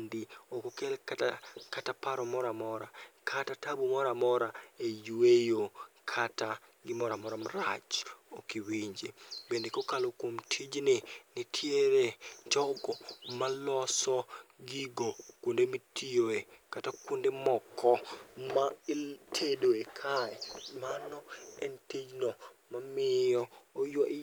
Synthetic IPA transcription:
ndɪokokelkatakatapaɾɔmɔɾamɔɾakʰatatabumɔɾamɔɾaejwejokʰataɡɪmɔɾamɔɾamaɾat͡ʃokiwiɲd͡ʒebendekokalokwomtʰid͡ʒnɪnitʰjeɾet͡ʃɔɡɔmalɔsɔɡiɡokondemitʰijoekatakwundemɔkʰɔmatʰedoekʰaɛmanɔɛ̰ntid͡ʒnɔmamɪɔːjɔʔ

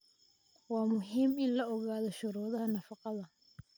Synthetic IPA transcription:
wɑːmʊɦiːmɪnlɐʔɔɣaːðɔʃʊɾɔːðɐɦɐnɐfɑqɑðɐ

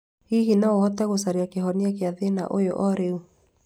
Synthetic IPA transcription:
hiɦinaohɔtɛɣosaɾiakeɦɔniak̬eaðena̰ʔojo̰ʔɔɾeu

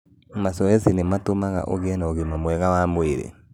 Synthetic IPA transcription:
masɔɛsinematomaɣa̰ʔo̰ɣeɛnaoɣemamwɛɣawaːmweɾḛ

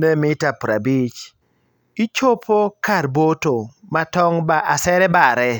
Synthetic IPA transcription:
nemɪtapɾabit͡ʃ | it͡ʃopʰokarbotomatɔŋbaʔasɛɾɛbaɾɛ

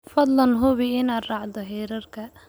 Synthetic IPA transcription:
fɐd̪lɐnɦʊβɪɪnaːrɑːʕd̪ɔɦɛːɾɐrkʰɐ

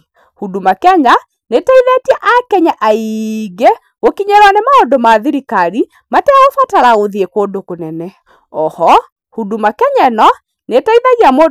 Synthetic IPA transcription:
hudumakɛɲa | netaiðɛtiɛʔakɛɲaʔaiɡe | ɣokiɲɛɾwanemaodomaðiɾikaɾi | matɛaofataɾaoðiekoːndokonɛnɛ | ɔhɔ | hudumakɛɲɛnɔ | netaiðaɣiamo

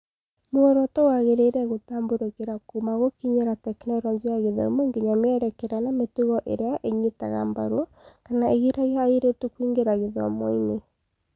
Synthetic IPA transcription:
mwɔɾɔtowaɣeɾeɾɛɣotaːmboɾokeɾakumaɣokiɲeɾatɛknɛɾɔɲd͡ʒeaɣeðɔ̰moŋɡeɲameɛɾɛkɛɾanametuɣɔʔḛɾeaʔeɲitaɣa̰mba̰ɾukanaʔeɣiɾaiaːiɾetukwiŋɡeɾaɣeðɔ̰mɔine

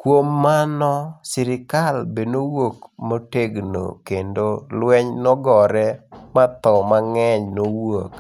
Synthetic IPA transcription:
kwomːanɔsɪɾɪkalbenowokmoteɡno̰kendolwɛɲnɔɡɔɾɛmat̪ɔmaŋɛɲnowok

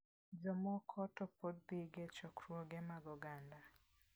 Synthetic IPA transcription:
d͡ʒɔmɔkʰɔtɔpodd̪ɪɡɛt͡ʃɔkɾwoɡɛmaɡɔɡanda

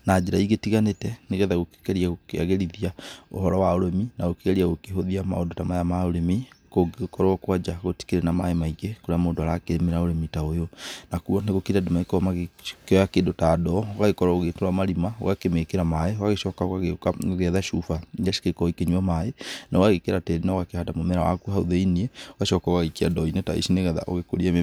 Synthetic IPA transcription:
nad͡ʒeɾaiɣetiɣanetɛneɣɛðaɣoke̥kɛɾiaɣokea̰ɣeɾiðiao̰hɔɾɔwaoɾeminaɣokeɣɛɾiaɣokeɦoðiama̰o̰dotamajamaoɾemekoɡkɔɾɔɔkwad͡ʒaɣoti̥keɾɛnamaemaiɡekoɾeamoːdoaɾakeɾemeɾaoɾemitaojonakuɔneɣokeɾiademaekɔmakeɔjakeːdotaːdɔoɣaɣekɔɾɔoɣetoɾamaɾimao̰ɣakemekeɾamaeoɣaɣeʃɔkaoɣaɣeɣɛðaʃufajaʃi̥kekɔikeɲuɔmaenaoɣaɣekeɾatɛɾinaoɣakehadamomɛɾawa̰kuɦaṵðeiniɛoɣaʃɔkaoɣaɣikiadɔineta̰ḭʃineɣɛða̰ʔo̰ɣekoɾiae

